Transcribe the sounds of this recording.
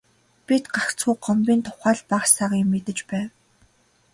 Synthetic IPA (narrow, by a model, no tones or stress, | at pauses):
pit̪ɢakt͡suːɢɔmpʲiːnt̪ʰʊ̥χaːɮpaχsaʁiːmːet̪ɘ̆t͡ɕpæːw